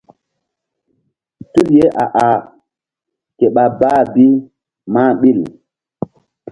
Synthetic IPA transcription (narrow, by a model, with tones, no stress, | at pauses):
tu˦lje˦ʔa̰˨ʔa˨ | ke˨ɓa˨baː˦bi˦ | ma˦˨ɓi˦˨l